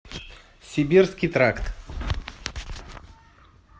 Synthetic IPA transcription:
sʲɪbʲirskʲijt̪ɾakt̪

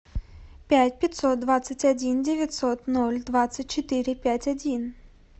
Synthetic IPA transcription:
pʲætʲpʲɪt̪ʲsot̪̚d̪vat̪sɨtʲɐdʲindʲevʲɪtʲsot̪nolʲd̪vat̪sɨtʲt͡ɕɪt̪ɨɾʲɪpʲætʲɐdʲin

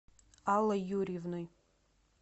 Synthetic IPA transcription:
alajuɾivnɨj

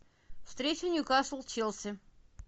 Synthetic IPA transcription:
fst̪ɾʲet͡ɕɪnʲjʊkɑslˠt͡ɕilˠsʲə

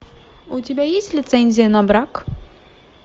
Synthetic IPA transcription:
utʲibʲɛjesʲtʲlʲit̪sɛnʲzʲjanabɾak

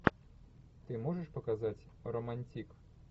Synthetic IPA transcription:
t̪ɪmɔʐeʃpɔkazɑtʲ | ɾɔmɐnʲtʲik

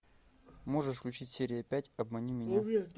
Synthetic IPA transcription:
mo̞ʐəʂfklʲʉt͡ɕitʲsʲeɾʲɪjəpʲætʲɐbmɐnʲimʲɪnʲa

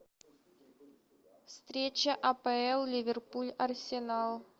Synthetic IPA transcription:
fst̪ɾʲet͡ɕɐʔɐpəɛlˠlʲivʲerpulʲɐrsʲɪnalˠ

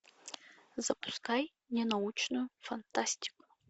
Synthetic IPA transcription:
zɐpʰu̥skaj | nʲenaut͡ʃʰnujufant̪ʰasʲtʰʲi̥kʷʼu̥

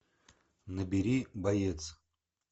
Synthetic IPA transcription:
nəbʲiɾʲibajet̪t͡s̪

